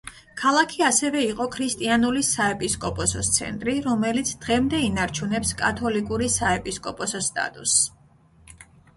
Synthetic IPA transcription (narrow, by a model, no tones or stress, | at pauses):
kʰalˠakʰiasɛvɛiqʼɔkʰɾist̪ʼianulisaɛpʼiskʼɔpʼɔsɔst̪sʰɛ̰nt̪ʼɾiɾɔmɛlit̪sʰd̪̥ʁɛmd̪ɛinaɾt͡ʃʰunɛpskʼat̪ʰɔlikʼuɾisaɛpʼiskʼɔpʼɔsɔst̪ʼa̰t̪ʼus